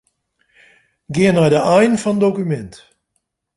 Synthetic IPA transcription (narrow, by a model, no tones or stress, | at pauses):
ɡɪənaɹdəʔɛjnfɑndokymɛnt